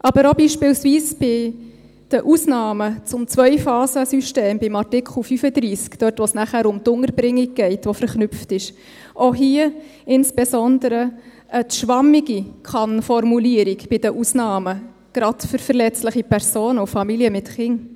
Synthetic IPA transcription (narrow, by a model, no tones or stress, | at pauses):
ʔɑbəɾobiːʃpɪlsviːsb̥ɪ | d̥əʔusnɑːmət͡sʊmt͡sʋœʏfɑːsəsyʃteːmbɪmɑrtɪkχl̩fyfəd̪ɾiːskd̥œɾtʋosnæχæːɾʊmtʊŋəɾbɾɪŋːiɡ̚ɡ̥ɛɪtʋofəɾχnʉpftɪʃ | ʔoɦiə | ɪnsb̥ɛsɔnd̪əɾə | ʔətʃʋɑmiɡikʰχɑnfɔrmuliəɾiɡb̥ɪd̥əʔusnɑːmə | ɡ̥ɾɑtfʏɾfəɾlɛt͡stləχipʰɛɾsoːnʊfɑmiliəmɪtχɪŋ